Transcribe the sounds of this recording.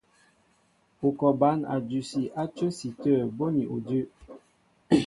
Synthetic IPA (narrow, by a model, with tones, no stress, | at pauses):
o˨kɔ˨ba˨˦na̰˨d͡ʒu˨si˨ʔa˦t͡ʃə˦si˨tə˦˨bo˦ni˨ʔo˨də˦